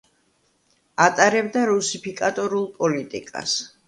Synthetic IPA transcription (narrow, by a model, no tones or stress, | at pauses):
at̪ʼaɾɛbd̪aɾusipʰikʼat̪ʼɔɾulˠpʼɔlit̪ʼḭkʼa̰s